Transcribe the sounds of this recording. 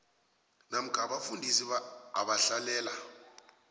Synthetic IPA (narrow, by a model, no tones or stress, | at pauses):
nam̩kʰaɓafundʱisiɓaa̰ɓaɬalɛːla